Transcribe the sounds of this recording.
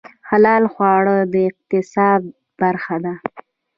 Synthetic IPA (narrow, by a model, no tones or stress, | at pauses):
xalɑlxwɑɽəd̪əɪq̚t̪ɪsɑd̪̚ | baɾxad̪a